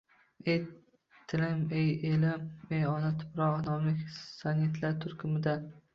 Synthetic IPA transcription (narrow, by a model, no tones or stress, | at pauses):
ej | t̪ʰːɪlɪmejelɪmejɒnat̪ʰʊ̥pɾɒʁnɒmlɪkʲsanʲɪt̪ʰlaɾt̪ʰʊɾkʲʰʊmɪd̪an